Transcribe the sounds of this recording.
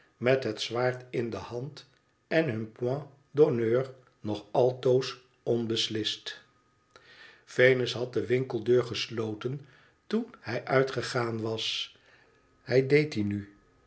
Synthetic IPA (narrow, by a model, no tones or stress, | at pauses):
mɛtɦətsʋaːɹtɪndəhɑnt | ɛnɦɵnpwɑ̃ | donøːɹ | nɔχɑlˠtows | ɔnbəslɪst | fejnəsɦɑt̚dəʋɪŋkəlˠdøːɹχəslowtən | tunhɛjʔœɥtχəχaːnʋɑs | hɛjdejtiny